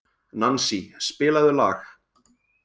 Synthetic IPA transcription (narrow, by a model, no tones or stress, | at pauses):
nansispɪːlaðʏla̰ːx